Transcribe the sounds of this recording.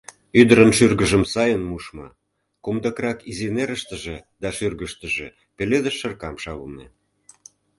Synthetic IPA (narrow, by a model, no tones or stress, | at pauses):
yd̪əɾənʃyrɣəʒəmsɑjənmuʃmɑ̰ | kumd̪əkrɑkizineɾəʃt̪ə̆ʒĕd̪ɑʃyrɣəʃt̪ə̆ʒe | peled̪əʃːərkɑmʃɑβənḛ